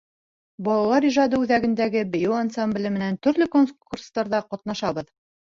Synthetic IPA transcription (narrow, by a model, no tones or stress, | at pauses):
bɒlˠɑlˠɑɾiʒɑd̪ɤʉðæɡɘ̆nd̪æɡɘbɘ̆jɘwansamblʲɘmɘ̆nænt̪ɵ̆ɾlɘkonkurst̪ɑɾðɑqɒt̪̚nɑʃɑβɤ̆ð